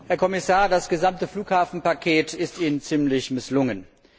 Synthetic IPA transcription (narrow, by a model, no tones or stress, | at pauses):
hɛɐkʰɔmɪsaːɐdasɡ̥əzamtəfluːkhaːfn̩pakʰeːtɪstiːnənt͡siːmlɪçmɪslʊŋən